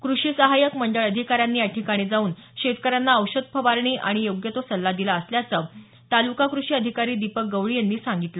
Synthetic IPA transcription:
kɾuʂiːsəɦajəkm̤əɳɖəɭəd̪ʱikaɾjanːiːjaʈʰikaɽ̃iːd͡zauːnɕet̪kəɾjanːaəwɕəd̪̚pʰəʋaɾɳ̃iːʔa̰ɽ̃ijoɡjət̪osəlːad̪ilaəsljat͡sə | t̪alukakɾuʂiːəd̪ʱikaɾiːd̪ipək̚ɡəʋɭijenːiːsaŋɡit̪lə

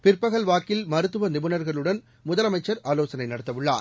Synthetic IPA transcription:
pɪɾpɐɣɐɭʋaːkɪlmɐɾɯt̪ːɯʋɐnɪbɯnɐɾɣɐɭɯɽɐn | mʊðɐlɐmɐɪt͡ʃːɐɾʔaːloːsɐnɐɪnɐɽɐt̪ːɐʋɯɭːa̰ː

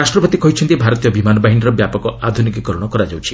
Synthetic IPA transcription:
asʈɾɔpɔt̪ikɔit͡ʃʰɔnt̪ibʱaɾɔt̪ijɔbimanɔbaɦiniɾɔbjapɔkɔad̪ʱunikikɔɾɔɽ̃ɔkɔɾad͡ʒawt͡ʃʰi̥

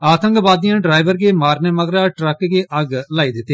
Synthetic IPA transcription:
aːt̪ə̃ŋkbaːd̪ɪjãːɖɾaːɪʋəɾɡeːmaːɾneːməɡɾaːʈɾəkɡeːʔəɡlaːiːd̪ɪt̪ːeː

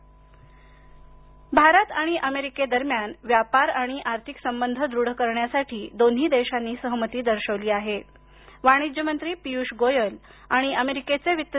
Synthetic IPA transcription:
bʱaɾət̪aɽ̃iʔəmeɾiked̪əɾmjanʋjapaɾaɽ̃iʔaɾt̪ʰiksəmbənd̪ʱəd̪ɾuɽəkəɾɳjasaʈʰiːd̪on̤iːd̪eɕanːiːsəɦmət̪iːd̪əɾɕəʋliːaɦe | ʋaɽ̃id͡ʑjəmənt̪ɾiːpijuɕɡojəl | aɽ̃iʔəmeɾiket͡seʋit̪ːə

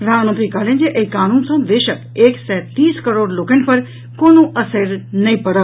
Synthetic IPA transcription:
ɾaːmə̃nt̪ɾikaːlə̃nd͡ʑeʔɐikaːnuːnsãʋeːʃəkeːksɛːt̪iːskəɾoːɽloːkʰɪ̃ɳɖpɐɾ | koːnoʔɐseɾnɐĩpɐɽəʋ

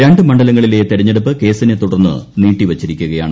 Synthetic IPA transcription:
ɾaːɳɖɨmɐɳɖɐlɐŋːɐɭilet̪eɾɐɲːeɽupːɨke̞ːsinet̪uɽɐrnːɨ̰niːʈːiʋɐt͡ɕːiɾikʲːuɣɐjaːɳɨ

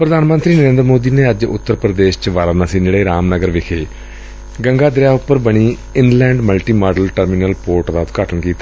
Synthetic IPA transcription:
pɾəd̪aːnmə̃nt̪ɾiːnəɾẽːnd̪ɾəmoːd̪iːneːəd͡ʒʊ̰t̪ːəɾpɾəd̪eːʃt͡ʃʋaːɾanãːsiːneːɽeːɾaːmnəɡəɾʋɪkʰeː | ɡəŋɡaːd̪ɾjaːʊpːəɾbəɳiː | ɪnlɛ̃ːɳɖməlʈiːmaːɖəlʈəɾmiːnəlpoːɾʈd̪aːʊt̪ɡaːʈənkiːt̪aː

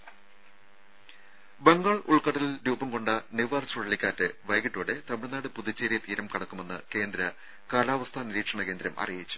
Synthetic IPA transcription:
beŋɡaːɭuɭkɐʈːɐlilɾuːbɐmko̞ɳɖɐniʋaːrt͡ɕuɭɐɭikʲːaːtːɨʋɐjɡiʈːoːɽet̪ɐmɨɭɐnːaːɽɨpuðit͡ɕːeːɾijɐt̪iːɾɐmkɐɽɐkːume̞nːɨ̰ke̞ːnd̪ɾɐ | kaːlaːʋɐst̪ʰaːniɾiːʈʂɐɳɐke̞ːnd̪ɾɐmʔɐ̰rijit͡ɕːu̥

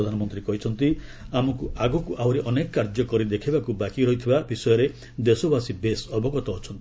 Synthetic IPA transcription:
d̪ʱanɔmɔnt̪ɾikɔɦit͡ʃʰɔnt̪iamɔkuaɡɔkuʔawɾeʔɔnekɔkaɾd͡ʒɔkɔɾid̪ekʰibakubakiɾɔɦit̪ʰibabisɔjɔɾe | d̪esobasibesɔbɔɡɔt̪ɔːt͡ʃʰɔnt̪ii

